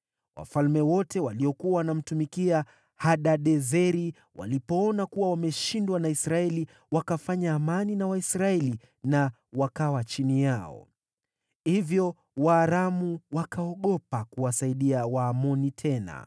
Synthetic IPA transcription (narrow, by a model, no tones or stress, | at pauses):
wʔa̰falmɛwɔtɛwaliɔkuawanam̩tumikia | haɗaɗɛzɛɾi | wa̰lipɔɔnakuwawamɛʃindwanaisɾaɛli | wakafaɲaːmaninawaisɾaɛli | na | wakawat͡ʃinijaɔ̰ | hivjɔ | waːɾamuwakaɔɠɔpakuwasaiɗiawaːmɔnitʰɛna̰